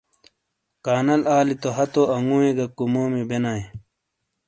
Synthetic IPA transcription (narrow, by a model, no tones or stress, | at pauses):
kaːnɐlaːlit̪oɦɐt̪oɐŋɡuːĩɡɐkumoːmibenaːe